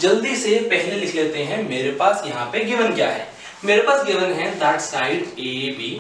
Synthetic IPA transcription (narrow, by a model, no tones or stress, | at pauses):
d͡ʒɐld̪isepɛɦlelɪkʰleːt̪eɦɛ̃meːɾepaːsjɐɦãpeɡiːʋənkja̰ːɦɛ̰ː | meːɾepaːsɡiːʋənɦɛ̃d̪ɛːʈsaːɪʈeːbʱiː